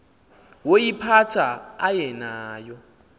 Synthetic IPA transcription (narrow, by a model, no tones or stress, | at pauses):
wojipʰatʰaajɛnaːjɔ